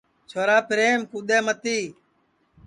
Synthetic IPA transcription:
t͡ʃʰoːɾaːpɪɾeːmkuːɗ̪eːmət̪iː

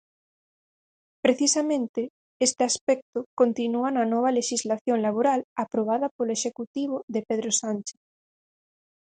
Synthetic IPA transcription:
pɾeθisamẽnt̪e | est̪easpɛk̚t̪okont̪inuananɔβ̞aleʃizlaθjoŋlaβ̞oɾalapɾoβ̞aðɐpoloeʃekut̪iβ̞oðepeðɾosant͡ʃe̥θ

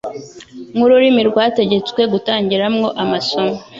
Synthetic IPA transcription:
ŋhuɾuɾimiɾɡwaːte̞ɟe̞t͡skwe̞ɡutaːɲɟiɾamŋo̞ʔamaso̞mo

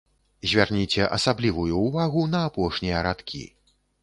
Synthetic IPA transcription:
zʲvʲarnʲit͡sʲɛʔɐsablʲivujuːvaɣunɐːpɔʂnʲijɐɾat̪kʲʰḭ

